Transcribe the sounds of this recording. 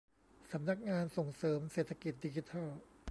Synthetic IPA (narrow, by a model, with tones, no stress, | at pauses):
sa˨˩˦mna˧˥˩k̚ŋaː˧nso˨˩ŋsɤː˩˦mseː˨˩t̪ʰa˧˥ki˨˩t̪̚di˧t͡ɕi˦˥t̪ʰa˥˩l